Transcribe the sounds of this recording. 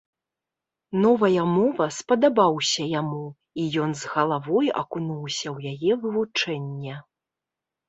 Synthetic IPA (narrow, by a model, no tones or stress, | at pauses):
nɔvɐjɐmɔvɐspɐd̪abawsʲɐjamu | ijɔnzɣɐlˠavɔjɐ̰kunuwsʲɐwjajɛvɨvut͡ʂɛnʲːɛ